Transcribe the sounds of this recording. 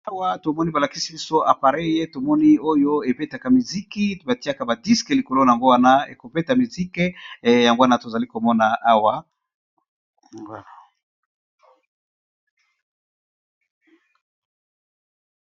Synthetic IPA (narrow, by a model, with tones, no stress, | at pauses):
a˦wa˦to˨mɔ˦ni˦ba˨la˨ki˦si˦bi˦so˦ʔa˨pa˨ʁe˦je˦to˨mɔ˦ni˦o˦jo˦e˨pe˦ta˨ka˨mi˨zi˦ki˦ba˨ti˦a˦ka˦˨ba˨di˦skɛ˨li˨ko˨lo˦na˨ja˨ŋɡo˦wa˦na˦ḛ˨ko˨pe˦ta˨mi˨zi˦kɛ˦ja˨ŋɡo˦wa˦na˨to˨za˨li˦ko˨mɔ˦na˨ʔa˦wa˦˨